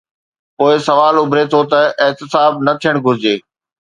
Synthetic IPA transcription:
poːɪsɐʋaːlʊbʱɾet̪ʰot̪ɐɪɦt̪ɪsaːb̚nɐt̪ʰijəɽ̃ɡʱʊɾɪd͡ʑeː

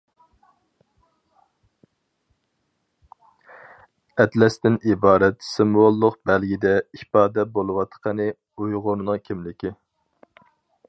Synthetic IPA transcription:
ɛt̪lɛst̪ɪnibɑːɾɛt̪sɨmwolˠːʊqbælɡʲid̪ɛipɑːd̪ɛbolˠɨwɑt̪qʰənɨ | ujʁʊɾnɨŋkʲʰimlɪkʲi

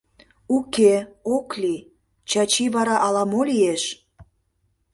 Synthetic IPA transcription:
ukeokli | t͡ɕɑt͡ɕiβɑɾɑʔɑlɑmolieʃ

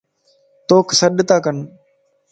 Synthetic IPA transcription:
t̪oːksəɗt̪aːkən

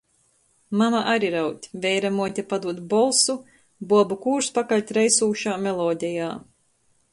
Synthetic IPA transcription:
mamaʔaɾiɾawt̪ʲvʲɛjɾamuɔt̪ʲapad̪uɔt̪bɔlˠsu | buɔbukuːɾspakalʲt̪ʲɾɛjsuːʃaːmɛlˠɔːd̪ʲɛjaː

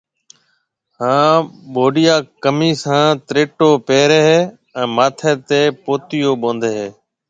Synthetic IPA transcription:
ɦãːɓoːɗɪjaːkəmiːsãːt̪ɾeːʈoːpeːɾeːɦː | ɛ̃ːmaːt̪ʰeːt̪eːpoːt̪ɪjoːɓõːnd̪eːɦeː

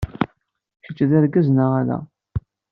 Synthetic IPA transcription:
çət͡ʃːðæɾɡæznəʁalæ̰

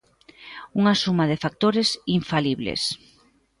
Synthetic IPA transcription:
uŋasumaðɪfak̚t̪oɾesiɱfaliβlḛs

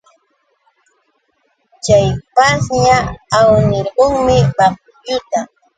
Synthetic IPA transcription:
t͡ʃajpasɲaːwnɪɾɢoŋmɪbɑχ̚ | jʊt̪a

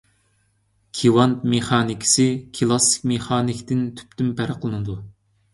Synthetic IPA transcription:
kʲʰiwɑnt̪meχɑːnikʲʰi̥sɪkʲʰɨlˠɑsɪ̥kʲmeχɑːnɪkʲt̪ɪnt̪ʰy̥pt̪ympʰæɾəqʰlˠɨnɨd̪u

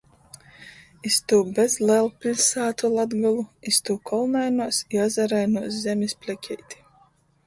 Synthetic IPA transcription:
ist̪uːbɛzlʲɛlˠpʲilʲsaːt̪ulˠad̪ɡalˠuist̪uːkʰɔlˠnajnuɔsiɔzaɾajnuɔszʲɛmʲispʲlʲɛkʲʰɛjt̪ʲi̥

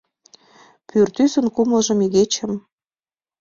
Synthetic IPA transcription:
pyrt̪ysə̆nkumlə̆ʒə̆meɣet͡ɕə̆m

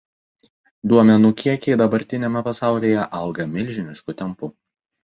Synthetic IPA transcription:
d̪uɔmʲɛnukʲiɛkʲɛɪd̪ɐbɐɾʲt̪ʲɪnʲɛmʲɛpɐsɑˑʊlʲiːjɛʔɐlˠɡɐmʲɪlʲˑʒʲɪnʲɪʃkʊt̪ʲɛmpʊ

